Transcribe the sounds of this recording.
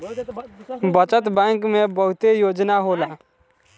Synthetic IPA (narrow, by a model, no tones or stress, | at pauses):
bət͡ʃət̪bɛ̃ːŋkmebəɦʊt̪ejoːd͡ʒnaɦolaː